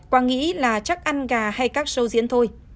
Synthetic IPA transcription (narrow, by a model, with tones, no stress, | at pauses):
kwaː˧ŋḭ˧˥laː˨˩t͡ɕa˦˥k̚ʔa˧nɣaː˨˩ha˧jkaː˦˥k̚sə˧wzḭ˧˥ənt̪ʰo˧j